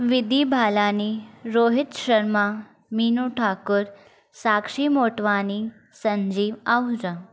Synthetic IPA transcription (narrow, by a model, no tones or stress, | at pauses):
ʋid̪ibʱalaniɾoɦit̪ɕəɾma | minuʈʰakuɾ | sakʂimoʈʋani | səɲd͡ʑiːʋawd͡za